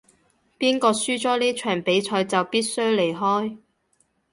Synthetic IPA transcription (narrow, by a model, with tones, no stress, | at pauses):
piː˥nkɔː˧syː˥t͡sɔː˨˥niː˥t͡ʃʰœː˨˩ŋpe˨˥jt͡ʃʰɔː˧jt͡sɐ˨wpiː˥t̚sɵ˥ɥle˨˩jɦɔː˥j